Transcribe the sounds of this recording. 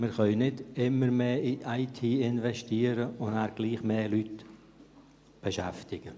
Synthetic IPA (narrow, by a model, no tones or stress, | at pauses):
mɪɾχœʏnɪdɪməɾmeːiʔaɪtʰiːɪnvɛʃtiːəɾəʊndaːɾɡ̥liːχmeːlyt | b̥ɛʃɛ̰ftɪɡ̥ə